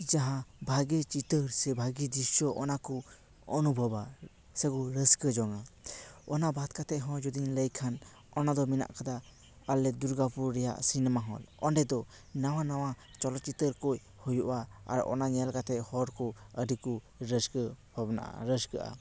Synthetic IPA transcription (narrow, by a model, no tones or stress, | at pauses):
d͡ʒaɦãbʱaɡət͡ʃit̪əɾsɛbʱaɡid̪issɔʔɔnakɔ | ɔnubʱəba | sɛkɔɾəskəd͡ʒɔŋaɔnabʱat̪kat̪ɛʔɦɔ̃d͡ʒɔd̪inləjkʰan | ɔnad̪ɔmina̰ʔkʰad̪a | alːɛd̪uɾɡapuɾɾɛja̰ʔsinɛmaɦɔ̰lɔnɖɛd̪ɔ | nawanawa | t͡ʃɔlɔt͡ʃit̪əɾkɔj | hujuʔaa̰ɾɔ̰naɲɛlkat̪ɛʔhɔɾkɔəɖiku | ɾəskəbʱabna̰ʔa̰ɾəskəʔa̰